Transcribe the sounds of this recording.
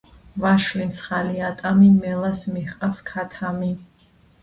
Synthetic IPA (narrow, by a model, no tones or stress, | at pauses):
vaʃlimsχaliat̪ʼamimɛlˠasmiχqʼafskʰat̪ʰami